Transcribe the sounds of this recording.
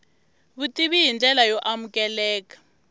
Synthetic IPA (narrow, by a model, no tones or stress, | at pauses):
βutʼiβijind͡ɮʱɛlajɔʔamukʼɛlɛːkḁ